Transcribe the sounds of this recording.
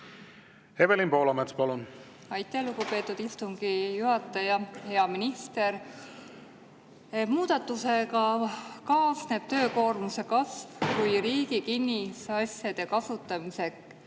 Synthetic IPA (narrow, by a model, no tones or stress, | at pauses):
hevelimpo̞ːlɑmet̪spɑlun | ɑjt̪ːˑæhluɡupe̞ːt̪ːˑud̪̥ist̪uŋɡ̥ijuɦɑt̪ːˑɑjɑhe̞ɑminist̪e̞ɾ | muːd̪̥ɑt̪ːˑuse̞kɑkɑːsne̞ːb̥̚t̪ø̞ːko̞ːrmuse̞kɑsvkujɾiːɡikinʲːisɑsʲjɑd̪̥e̞kɑsut̪ːˑɑmise̞k